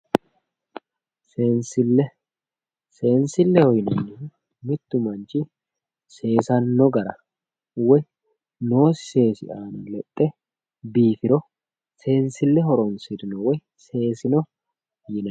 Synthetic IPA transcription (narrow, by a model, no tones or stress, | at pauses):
seːnsɪlːɛ | se̞ːnsɪlːɛhɔjnɐnːɪ | mɪt̪ːʊmɐnt͡ʃɪ | se̞ːsɐnːɔɡɐɾɐ̰ | wɔj | no̞ːsɪ̥se̞ːsɪ̰ʔaːnɐlɛt̪ʼːɛ | biːfɪɾɔ | se̞ːnsɪlːɛɦɔɾɔnsɪd̪ɪnɔwɔj | se̞ːsɪnɔ | jɪnɐ